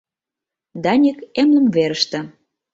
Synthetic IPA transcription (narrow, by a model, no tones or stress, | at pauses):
d̪ɑnʲikemnə̆mveɾəʃt̪ĕ